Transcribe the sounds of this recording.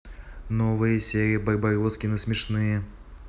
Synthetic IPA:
nɔvɨjɐsʲɛɾʲijibɐjbajɔt̪skʲinɨsʲmʲɛʂnɨjɛ

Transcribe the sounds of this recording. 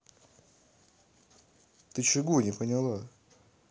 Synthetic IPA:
t̪ɨt͡ɕɪɡunʲɪpənʲɪlˠa

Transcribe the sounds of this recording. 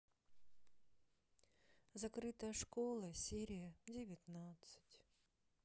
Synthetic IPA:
zɐkɾɨt̪əjəʂkolˠəsʲeɾʲɪjədʲɪvʲɪt̪nat̪sɨ̥tʲ

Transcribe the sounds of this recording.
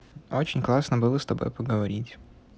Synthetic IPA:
ot͡ɕɪnʲklˠasnəbɨlˠəst̪ɐbojpəɡəʋɐɾʲitʲ

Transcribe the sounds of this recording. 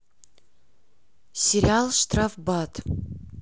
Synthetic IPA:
sʲeɾʲialˠʂt̪rafbat̪ʰ

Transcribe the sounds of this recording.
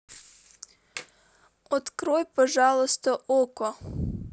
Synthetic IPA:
ɔt̪kɾɔjpɔʒɑlˠɔst̪ɔʔɔkɔ

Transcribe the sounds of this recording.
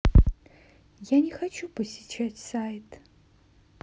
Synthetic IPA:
jaːnʲɛxɐt͡ʃʰuːpʰɐsit͡ʃʰatʲsajtʰ

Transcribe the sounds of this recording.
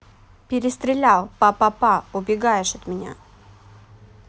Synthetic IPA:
pʲɪɾʲɪst̪ɾʲɪlʲalˠpapapaʊbʲɪɡajɪʂɐt̪mʲɪnʲa̰

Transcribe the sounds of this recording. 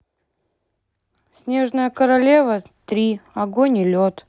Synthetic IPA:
sʲnʲe̞ʐnəjəkəɾɐlʲevə | t̪ɾʲiɐɡonʲɪlʲot̪

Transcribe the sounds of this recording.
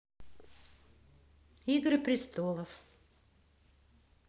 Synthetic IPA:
iɡɾɨpɾʲɪst̪olˠəf

